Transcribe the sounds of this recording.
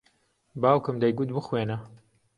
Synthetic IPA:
baːwkɨmd̪ɐjɡut̪̚bɨxweːnɐ

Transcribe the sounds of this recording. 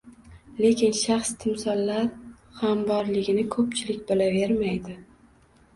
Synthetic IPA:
le̞kʲɪnʃaχst̪ʰɪmsɒlˠlːaɾ | hambɒɾlɪɡʲɪnɪkʰɵp̚t͡ʃʰɪlɪkʲb̪olave̞ɾmajd̪ɪ

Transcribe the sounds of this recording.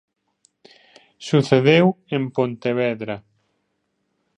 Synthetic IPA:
suθeðew | empont̪eβɛðɾa

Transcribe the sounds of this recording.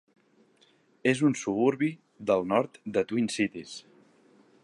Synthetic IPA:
ezunsuβuɾβi | ðəlˠnɔɾt̪d̪ət̪winsit̪is

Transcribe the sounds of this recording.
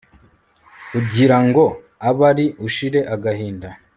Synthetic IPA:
kuɟiɾaŋɡo̞ | aβaɾiʔuʃiɾe̞ʔaɡaɦiːnda

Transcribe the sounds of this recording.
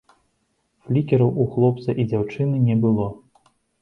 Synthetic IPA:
flʲikʲɛɾɐwʔuxlˠɔp̚t̪sɐʔid͡zʲawt͡ʂɨnɨnʲɛbɨlˠɔ

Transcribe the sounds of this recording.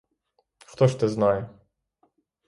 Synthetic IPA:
xt̪ɔʃt̪ɪznajɛ

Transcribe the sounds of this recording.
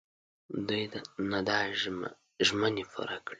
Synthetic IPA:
d̪ujd̪anad̪a̰ | ʒmənefa̰ɾakɽi

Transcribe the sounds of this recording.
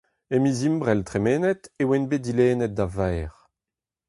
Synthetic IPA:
emizimbʁɛlt̪ʁemeːnɛt̪ewenbet̚ileːnɛt̪̚d̪avɛjʁ

